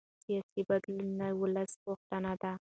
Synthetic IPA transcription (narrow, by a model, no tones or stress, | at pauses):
sijɑsibad̪lɪnːawʊlasʁʊxt̪anad̪a